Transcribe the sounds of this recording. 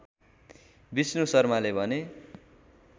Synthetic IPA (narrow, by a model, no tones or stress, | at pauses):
bisnusʌrmalebʱʌne